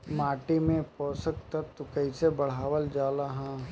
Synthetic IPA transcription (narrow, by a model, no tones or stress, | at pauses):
maːʈimẽpɔːsəkt̪ɐt̪ːukəɪsebɐɽ̤aːʋəld͡ʒaːlaɦã